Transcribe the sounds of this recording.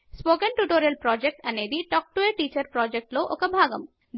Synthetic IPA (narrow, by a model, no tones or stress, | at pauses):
spokenʈuʈoɾelpɾɔd͡ʑek̚ʈaned̪iʈɔk̚ʈueʈit͡ɕɐɾpɾɔd͡ʑek̚ʈloʔokɐbʱaɡɐ̰m | d̪